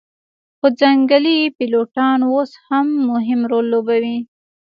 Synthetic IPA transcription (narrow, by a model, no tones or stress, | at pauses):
xod͡zaŋɡalipiloʈɑnwoshamːʊɦɪmɾolːobawi